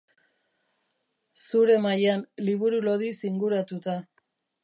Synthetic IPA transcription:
suɾe̞majanliβuɾulo̞ðisiŋɡuɾat̪ut̪a

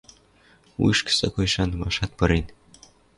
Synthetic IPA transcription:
ṵjʃksɤkojʃɑnmɑʃɑt̪̚pɤ̆ɾenʲ

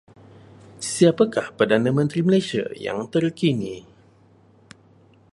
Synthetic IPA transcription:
siapakahpərdanãmə̃nt̪ɾiməlasia̰ja̰ŋt̪ərkini

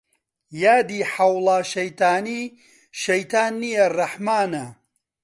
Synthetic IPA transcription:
jaːd̪iːħɐwlˠaːʃɐjt̪aːniː | ʃɐjt̪aːnːijɐrɐħmaːnɐ

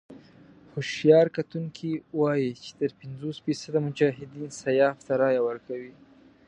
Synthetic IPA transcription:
hʊʃjɑɾkat̪uŋkʰiwɑjit͡ʃe̥t̪əɾpɪnzosfisad̪amʊd͡ʒaɦɪd̪insajɑft̪aɾɑjawəɾkawi

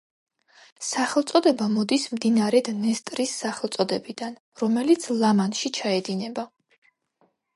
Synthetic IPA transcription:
saχɛlˠt̪sʼɔd̪ɛbamɔd̪ismd̪inaɾɛd̪nɛst̪ʼɾisːaχɛlt̪sʼɔd̪ɛbid̪an | ɾɔmɛlit̪sʰlˠamanʃit͡ʃʰaɛd̪inɛba

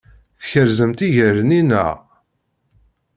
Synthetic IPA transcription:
θçəɾzəmt̪iʝəɾəninə̰ʁ

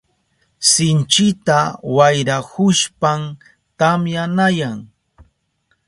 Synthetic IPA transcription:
sɪnt͡ʃɪt̪awajɾahʊʃpam | t̪amjanajaŋ

